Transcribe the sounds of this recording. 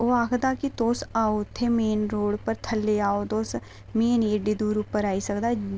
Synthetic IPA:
oːaːkʰd̪aːkit̪oːsaːot̪ʰemeːnɾoːɽpəɾt̪ʰɐlːeaːot̪oːs | meːneɖid̪uːɾupəɾaːisɐkd̪a

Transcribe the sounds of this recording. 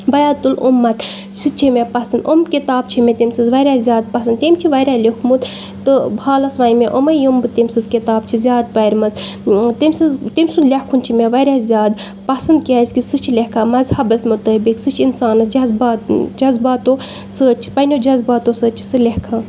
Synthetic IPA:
bɐjaːt̪ulṵmːɐt̪ | sʰɨt͡ʃʰimʲepɐsɐnd̪omkit̪aːb̚t͡ʃʰimet̪imsɨzʋɐɾʲaːzʲjaːd̪̚pɐsɐnd̪t̪emt͡ʃʰiʋɐɾʲaːlʲekʰmut̪ | t̪ɨbʱaːlɐsʋaːnmeʔomɐjombɨt̪emsɨzkit̪aːb̚t͡ʃʰizʲjaːd̪̚pɐjɾʲmɐzt̪imʲsɨzt̪imsunlʲehkʰunt͡ʃʰimʲeʋɐɾʲaːzʲjaːd̪ | pɐsɐnd̪̚kʲɐsʲkisɨt͡ʃʰilehkʰãːmɐzhɐbɐsʲmut̪əːbiksɨt͡ʃʰinsaːnɐsd͡ʒɐzbaːd͡ʒɐzbaːt̪o | səːt͡ʃʰi̥pɐnʲod͡ʒɐzbaːt̪osəːt͡ʃʰi̥sɨlʲehkʰãː

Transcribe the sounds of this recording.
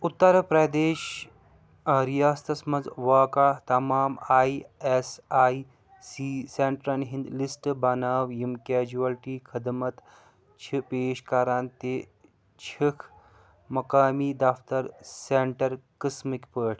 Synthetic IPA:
ut̪ːɐɾpɾɐd̪eːʃ | ɾijaːst̪ɐsmɐnzʋaːkaːt̪ɐmaːmaːiesaːi | siseɳʈɾɐnɦĩnd̪lisʈbɐnaːʋjimkeːd͡ʒuɐlʈiːkʰɐd̪mɐt̪ | t͡ʃʰipeːʃkaːɾaːnt̪eː | t͡ʃʰikʰ | mɐkaːmiːd̪ɐft̪ɐɾseɳʈɐɾkɐsmikpəːʈʰ

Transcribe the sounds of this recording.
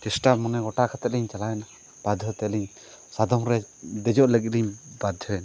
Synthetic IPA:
t͡ʃɛsʈamɔnɛɡɔʈaʔkʰat̪ɛt̪̚liɲt͡ʃalaɛna | b̥ad̪ʱɔt̪ɛliɲ | sad̪ɔmɾɛd̪ɛd͡ʒɔʔləɡit̪̚liɲbad̪ʱɔɛna

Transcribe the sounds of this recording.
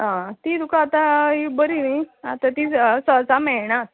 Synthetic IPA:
ɦãt̪iːd̪ukaːt̪aibəɾiniat̪at̪isət͡samɛɭɳas

